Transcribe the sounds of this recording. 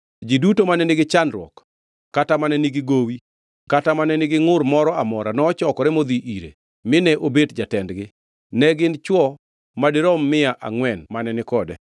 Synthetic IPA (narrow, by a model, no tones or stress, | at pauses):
d͡ʒidutomanɛnɪɡɪt͡ʃanɾɔ̰kː | atamanɛnɪɡɪɡowi | katamanɛnɪɡɪŋʊrmɔɾɔamɔɾanɔːt͡ʃɔkɔɾɛmod̪iʔiɾḛ | mɪnɛʔobetd͡ʒatɛndɡɪ | nɛɡɪnt͡ʃwɔ | madɪɾɔmːɪaʔa̰ŋwɛnmanɛnɪkɔdɛ̰